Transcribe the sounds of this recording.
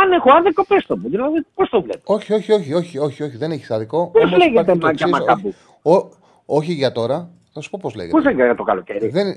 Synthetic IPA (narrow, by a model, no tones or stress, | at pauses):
ɐnexoɐðekopest̪omuðilɐðipost̪ovlet̪eo̞çio̞çioçio̞çio̞çio̞çiðe̞neçi̥sɐðiko̞pozleɣet̪emɐʝɐimɐkɐpu | o | o̞çiʝɐt̪o̞ɾɐ | θɐsu̥po̞po̞zlḛɣḛpozeɡeɣɐt̪okɐloceɾiðen